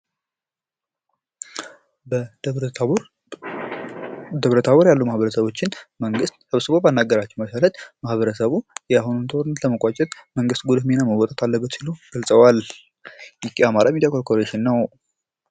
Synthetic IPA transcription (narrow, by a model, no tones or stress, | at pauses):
d̪əβɾət̪ʰaβoɾjalːumahβəɾəsəβo̞t͡ʃːɪnməŋɡɨst̪səβsɨβobanːaɡːəɾat͡ʃːɛwməʃalət̪mahβəɾəsəβujaɦununt̪ʰoɾɨnːət̪ləməkʼat͡ʃʼːɛt̪məŋɡɨst̪ɡud̪ɨhmenaməwɔt̪ʼət̪ʰalːəbːət̪siluɡ̥əlsʼəwal | jɪkʼiamaɾamid̪ijakʰoɾkʰoɾeʃɪnːəw